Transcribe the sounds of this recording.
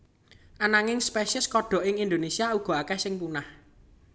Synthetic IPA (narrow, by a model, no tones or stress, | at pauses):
ʔanaŋɪŋspeʃɪskɔɖ̥ɔ̤ʔɪŋind̪onesiauɡ̥ɔ̤akɛhsɪŋpunah